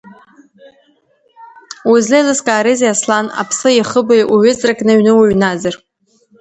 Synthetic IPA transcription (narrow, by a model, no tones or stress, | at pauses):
uzlejlɨskʼaːɾezjaslana̰pʰsɨjiχəbajʔuɥʊt͡sʼrakʼnɨɥnɨwaɥnazar